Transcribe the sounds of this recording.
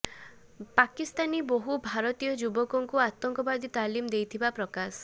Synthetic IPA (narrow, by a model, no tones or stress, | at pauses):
pakist̪aniboɦubʱaɾɔt̪ijɔd͡ʒubɔkɔŋkuat̪ɔŋkɔbad̪ʱit̪alimd̪ejt̪ʰibapɾɔkasɔ̥